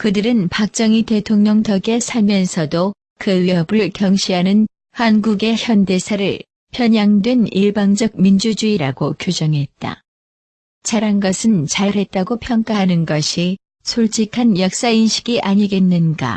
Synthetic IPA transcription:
kɯdɯɾɯnpak̚t͡ɕ͈ʌŋite̞tʰoŋɲʌŋtʌɡe̞sʰamjʌnsʰʌdo | kɯɥiɦʌbɯɭkjʌŋɕʰiɦanɯn | hanɡuɡe̞çjʌnde̞sʰaɾɯɭ | pʰjʌɲaŋdweniɭbaŋd͡ʑʌɡ̚mind͡ʑud͡ʑuiɾaɡokjod͡ʑʌŋɦe̞t̚t͈a̰ | t͡ɕaɾanɡʌsʰɯnt͡ɕaɾɦe̞t̚t͈aɡopʰjʌŋk͈aɦanɯnɡʌɕʰi | sʰoɭt͡ɕʰikʰanjʌk̚s͈ainɕʰi̥ɡiʔaɲiɡe̞nːɯnɡa̰

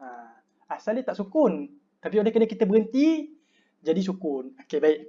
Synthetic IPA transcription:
a | asalit̪aʔsukʊn | t̪apiolɛhkənəkit̪əbəɾənt̪i | d͡ʒadis̬ukʊnokebaɪʔ

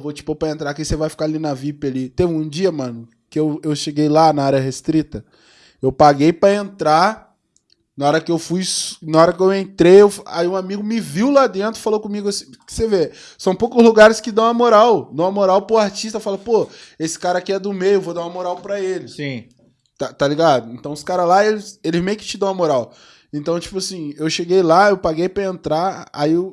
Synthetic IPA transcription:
vot͡ʃi̥popɾɐẽnt̪ɾakisevajfi̥kaalinɐvipɪalit̪evɪũd͡ʒiɐmɐ̃nʊ | kɪewewʃeɡejlanɐaɾjɐɦest̪ɾit̪ɐ | ewpaɡejpɾɐẽnt̪ɾa | nɐɔɾɐkɪewfujsnɐɔɾɐkɪewẽnt̪ɾejewfa̰iũamiɡʊmɪviwlad̪ẽnt̪ɾʊ̥falowkõmiɡʊsĩ̥ | kɪ̥seve | sɐ̃w̃powkʊzluɡaɾɪskɪd̪ɐ̃w̃ɐmoɾawd̪ɐ̃w̃ɐmoɾawpoaɾt͡ʃiʃt̪ɐfalpoesɪ̥kaɾɐakiɛd̪ʊmejewvod̪aw̃ɐmoɾawpɾɐelɪsĩ | t̪at̪aliɡad̪ʊẽnt̪ɐ̃w̃ʊskaɾɐlaelɪselɪzmejʊkɪ̥t͡ʃɪd̪ɐ̃w̃ɐmoɾaw | ẽnt̪ɐ̃w̃t͡ʃi̥pʊasĩewʃeɡejlaewpaɡejpɾɐẽnt̪ɾaa̰i

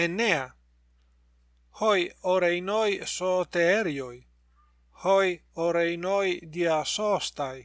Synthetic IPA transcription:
enea | hojoɾejnojsot̪eeɾjoj | hojoɾejnojd̪iasost̪aj

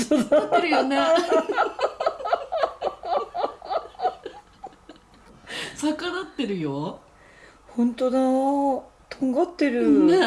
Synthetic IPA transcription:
soːd̪aeɾɯ̟jone | sakanat̪ːe̞ɾɯ̟jo | hõ̞nt̪od̪a | t̪ʰõŋɡat̪ːe̞ɾɯ

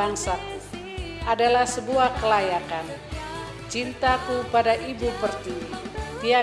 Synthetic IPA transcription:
aŋsaku | ʔadalahsəbuahkəlajakan | t͡ʃint̪akupadaʔibupərt̪it̪ia

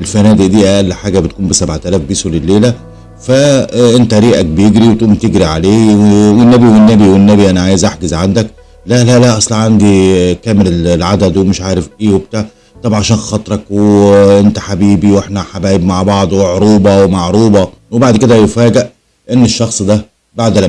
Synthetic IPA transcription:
ʔelfænæːd̪eʔd̪iːʔæʔælːħaːɡæbet̪̚kuːmbesæbʕt̪ælæːfbiːsulelːeːlæ | fæʔent̪æɾiːʔæk̚bejeɡɾiwet̪ʔuːmt̪eɡɾiʕaleːwewenːæbiwenːæbiwenːæbiʔænæʕaːjezʔaħɡezʕand̪æk | læʔlælæʔɑsˤlɑʕand̪ikæːmelllʕad̪æd̪wemeʃʕaːɾefʔeːweb̚t̪aʕ | t̪ˤɑbʕaʃæːnxɑt̪ˤɾˤɑkweʔent̪æ̥ħabiːbiwʔeħnæħabæːjebmaʕbɑʕd̪ˤweʕɾuːbɑwemaʕɾuːbɑwebaʕd̪ked̪æjefæːɡeʔ | ʔenːeʃːɑxsˤd̪æ | baʕd̪æl

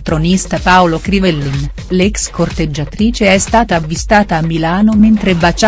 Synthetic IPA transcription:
t̪ɾonist̪apaolokɾivɛlːin | lɛkskort̪ed͡ʒːat̪ɾiːt͡ʃeɛst̪aːt̪aːvːist̪aːt̪aːmːilaːnoment̪ɾebat͡ʃa

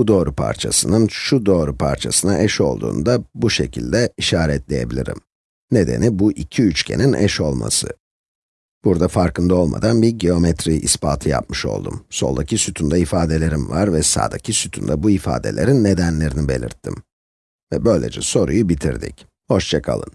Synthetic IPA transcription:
bud̪o̞ːɾupʰa̰ɾt͡ʃʰasɯnɯnʃud̪o̞ːɾupʰaɾt͡ʃʰasɯnaʔɛʃo̞lˠd̪ṵːnd̪abuʃecʰilʲd̪ɛiʃaːɾɛt̪lʲe̞je̞bilʲiɾḭm | ne̞d̪e̞̰nibuʔicʰiyt͡ʃkcʰe̞̰ninʔɛ̰ʃo̞lˠma̰sɯ | b̥uɾd̪afaɾkɯnd̪ao̞lˠma̰d̪anbiɾɟio̞mɛt̪ɾiʔispʰaːt̪ʰɯja̰p̚mɯʃo̞̰lˠd̪umso̞lˠd̪acʰisyt̪ʰynd̪ɛifaːd̪e̞lʲe̞ɾimvaɾvɛsa̰ːd̪acʰisyt̪ʰynd̪ɛbuifa̰ːd̪e̞̰lʲe̞ɾinːe̞d̪ænlʲe̞ɾinibe̞̰lʲḭɾt̪ʰːḭm | vɛbø̞jlʲe̞d͡ʒɛso̞ɾṵjubit̪ʰḭɾd̪ḭc | ho̞ʃt͡ʃʰakʰa̰lˠɯ̰n

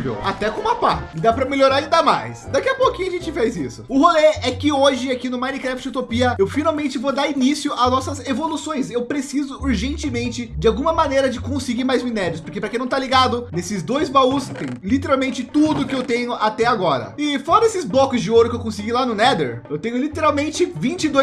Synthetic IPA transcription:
vḛwa̰t̪ɛkõmapaɪd̪apɾɐmeʎoɾaɾid̪amajsd̪akiɐpokĩɲʊaʒẽnt͡ʃɪfejzisʊʊholeɛkɪoʒɪakinʊmaj̃nɪkɾɛft͡ʃut̪opiɐewfinaw̃mẽnt͡ʃɪvod̪aɾinisjʊaznɔsɐzevolusõj̃sewpɾesizʊuɾʒẽnt͡ʃɪmẽnt͡ʃɪd͡ʒɪawɡũmɐmanejɾɐd͡ʒɪkõsɪɡiɾmajzmĩnɛɾʊspoɾkenpɾɐkẽnɐ̃w̃t̪aliɡad̪ʊnesɪzd̪ojzbaust̪ḛ̃j̃ʊlit̪eɾawmẽnt͡ʃɪt̪ud̪ʊkɪewt̪ẽɲʊʔat̪ɛaɡɔɾɐ̰ɪfɔɾɐd̪esɪzblɔkʊzd͡ʒɪoɾʊkɪewkõsɪɡilanʊnɛd̪ḛɾewt̪ẽɲʊlit̪eɾawmẽnt͡ʃɪvĩnt͡ʃɪd̪oj

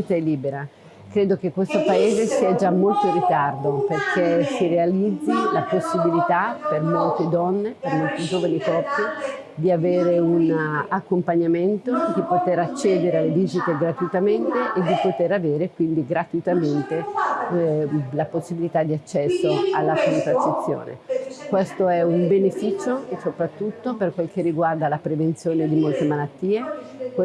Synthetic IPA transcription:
it̪aɛlːiːbeɾa | kɾeːd̪okekːwest̪opaeːzesiad͡ʒamːolt̪orit̪ard̪operkʰesiɾealid̪zːilaposːibilit̪apermolt̪ed̪ɔnːepermolt̪id͡ʒoːvanikɔrsi | d̪iaveːɾeunakːompaɲːament̪od̪ipot̪eɾat͡ʃːɛːd̪eɾealːed̪iːzit̪eɡɾat̪uit̪ament̪eʔed̪ipot̪eɾaveːɾekwind̪iɡɾat̪uit̪ament̪e | laposːibilit̪ad̪ːiat͡ʃːɛsːoalːakont̪ɾasit̪sːjo̰ːnʔḛkwest̪oɛumbenefiːt͡ʃosopɾat̪ːut̪ːoperkwelkerːiɡward̪alapɾevent̪sjoːned̪imolt̪emalat̪ːiːek

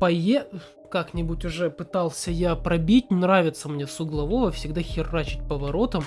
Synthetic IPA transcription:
pɐje | kaknʲɪbutʲʊʐɛpɨt̪ɑlˠsʲəjapɾɐbʲit̚ʲnɾavʲɪt̪səmnʲe̞sʊɡlˠɐvo̞vəfsʲɪɡd̪axʲɪrːat͡ɕɪ̥t̚ʲpəvɐɾo̞t̪əm

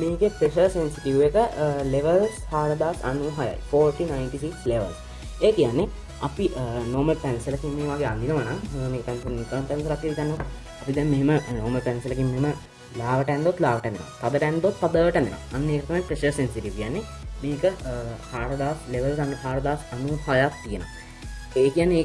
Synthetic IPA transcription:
miːkepɾeʃəɾsensiʈiʋʋekəleʋəlshaːɾɐd̪aːkanuɦaja̰jfoːɾʈinajnʈisiksleʋə̰ls | eːkijanːe | apiʔnoːməlpænselakimːeːʋaːɡeand̪inɐʋanaŋemeːkəpɛnsɐnit̪anp̪ɛns̬ɐɾak̪ːiʋik̪anːot̪ | ɐpid̪ɛmmeɦemənoːməɾpɛnselakimːeɦemə | laːʋəʈɛnd̪ot̪laːʋəʈɛnd̪en̰o̰t̪ad̪əʈɛnd̪ot̪pad̪əʈɛ̃nd̪eno̰a̰anːeːkət̪ɐmapɾeʃəɾsensiʈiʋkijanːe | miːkəhaːɾɐd̪aːsleʋəlsanɦaːɾəd̪aːsɐnuhajat̪t̪ːijəno̰ | eːkijanːeeː

